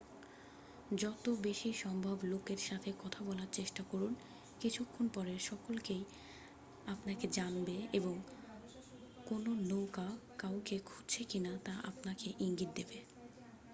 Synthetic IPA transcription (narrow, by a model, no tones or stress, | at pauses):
d͡ʑɔt̪obeʃiʃɔmbʱablokeɾʃat̪ʰekɔt̪ʰabɔlaɾt͡ɕeʃʈakoɾun | kit͡ɕʰukʰːonpɔɾeɾʃɔkolkej | apnaked͡ʑanbeeboŋ | kononokakawkekʰudt͡ɕʰekinat̪aʔa̰pnakeʔiŋɡit̪̚d̪ebe